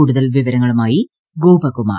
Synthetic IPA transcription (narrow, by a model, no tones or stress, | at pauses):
uːɽuðɐlʋiʋɐɾɐŋːɐɭumaːji | ɡoːbɐkːuma̰ː